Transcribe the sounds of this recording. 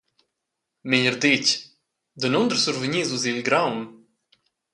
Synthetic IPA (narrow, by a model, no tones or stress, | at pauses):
miɲəɾd̪ic | d̪ənɔnd̪əɾsuɾvəɲizuzilɡɾawn